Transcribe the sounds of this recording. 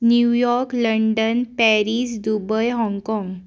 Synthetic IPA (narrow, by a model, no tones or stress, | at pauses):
njujɔɾkləɳɖənpɛɾisd̪ubəjɦɔ̃ŋɡkɔ̃ŋɡ